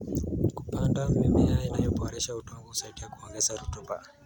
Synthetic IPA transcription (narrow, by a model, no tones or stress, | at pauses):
ku̥pandamimiainajɔbɔɔɾɛʃautɔŋɡɔusaiɗiakuɔŋɡɛzaɾutuba̰